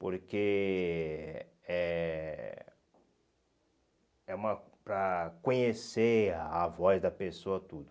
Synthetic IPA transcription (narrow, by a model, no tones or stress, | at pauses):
poɾke | ɛ | ɛũmɐpɾɐkõɲeseavɔzd̪ɐpesoɐt̪ud̪ʊ